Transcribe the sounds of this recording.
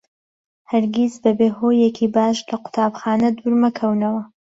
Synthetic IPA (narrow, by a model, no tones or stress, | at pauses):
hɐɾɡʲizbɐbeːhoːjekʰiːbaːʃlɐqʊ̥t̪ʰaːbxaːnɐd̪uɾmɐkʰɐwnɐwɐ